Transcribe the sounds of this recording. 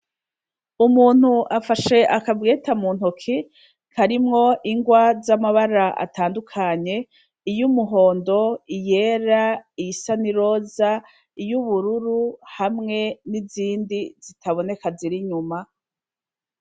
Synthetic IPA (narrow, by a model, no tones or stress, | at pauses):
umuːn̥huʔafaʃe̞ʔakavɡeːtamuːn̥hukʰi | kʰaɾimŋo̞ʔiŋɡwazamaβaɾaʔa̰taːndukʰaɲe̞ | ijumuɦo̞ːndo̞ije̞ɾaijisaniɾo̞za | ijuβuɾuɾuhamŋe̞niziːndizitʰaβo̞ne̞kaziɾiɲuma